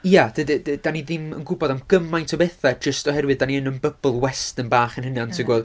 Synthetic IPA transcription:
ijad̥ɨddd̥aniðɪmə̰nɡʊbɔdamɡ̥əmajntʰɔbeθad͡ʒəstɔhɛɾwɨd̚aniənənbəblˠwɛstənbaːχənhɪnantʰəɡwɛlˠ

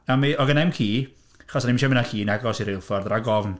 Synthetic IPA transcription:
amiɔɡənɛmkʰiː | aχɔsanimʃɛmɪnaɬiːnɛɡɔsiɾɪlˠfɔrðraɡɔvn

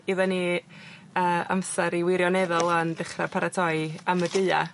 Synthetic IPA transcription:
iðɔni | əːa̰msɛɾiwɪɾjɔnɛðʊlˠɔndɪχrapʰaɾatʰɔjamədɨɨa̰

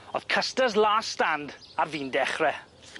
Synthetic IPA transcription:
ɔ̰ð̥kʰəstəzlˠaːstandarviːndɛχrɛ

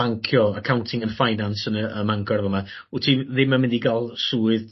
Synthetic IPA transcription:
aŋkʰjɔəkʰawntʰɪŋənfajnansənəəmaŋkʰɔrvɔma | utʰiðɪmːamɪndiɡalˠsuːɨð

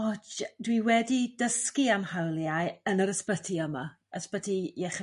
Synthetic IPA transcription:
ɔdwiwɛdidəskiamhawlˠjajənəɾəspətʰiəma | əspətʰijɛχ

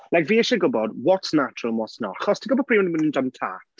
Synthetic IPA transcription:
lajkviːɛʃəɡʊbɔdwɔtsnat͡ʃrəlˠmwɔtsnɔ̰aχɔstʰiɡʊbɔd̚pʰriːwɛnimənəndəmtʰa̰t

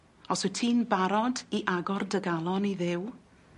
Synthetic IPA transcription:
ɔsɨtʰiːnbaɾɔdiʔaɡɔrdəɡalˠɔniðɪw

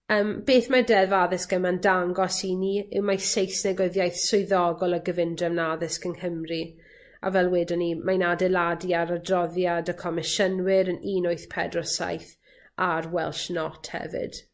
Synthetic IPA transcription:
əːmb̥eːθmadɛvaðɪskəmandaŋɡɔsiniɪ̰wmajsejsnɛɡɪðjajθsʊjðɔɡɔlˠəɡəvɪndrɛvnaðɪskənhəmri | a̰vɛlˠweːdɔnimajnadɛlˠadiaɾədrɔðjadəkʰɔmɪʃənwɪɾəniːnʊɨθpʰɛ̰drɔsa̰jθ | arwɛlˠʃnɔtʰhɛ̰vɪ̰d̥

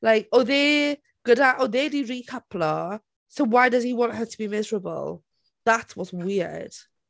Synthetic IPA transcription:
laɪkəðe | ɡ̥ʊdaʔəðediɹikʰapʰlə | soʊwaɪdəz̥iwɒ̃nʔɦətʰəbimɪzəɹəbə̰lˠ | ðatwɒzwɪəd̥

